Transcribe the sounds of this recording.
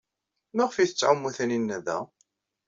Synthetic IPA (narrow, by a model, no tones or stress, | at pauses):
mæʁfiθə̥t͡sːʕamːuθæninːæðæ̰